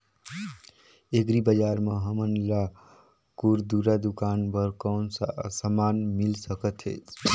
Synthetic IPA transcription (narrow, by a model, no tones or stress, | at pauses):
ekɾibəd͡ʒaɾmeɦəmənla | kuɾd̪uɾad̪ukanpəɾkɔnsəmanmilsəkət̪ɦḛt͡ʃʰ